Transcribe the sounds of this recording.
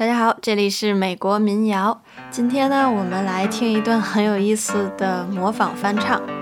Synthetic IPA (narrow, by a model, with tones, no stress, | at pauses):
t̪a˥˧˩t͡ɕja˥xɑ˨˩˦ʊʈ͡ʂɤ˥˩li˨˩ʂɻ̩˥˩me˨˩ɪkwɔ˧˥mi˧˥njɑ˧˥ʊ | t͡ɕi˥nt̪ʰjɛ˥nə˨wɔ˨˩mə˦nla˧˥ɪt̪ʰi˥ŋi˧˥t̪wa˥˩nxə˧˥njo˨˩ʊi˥˩sɹ̩˨˩d̪̥ə˩mwɔ˧˥fɑ˨˩ŋfa˥nʈ͡ʂʰɑ˥˩ŋ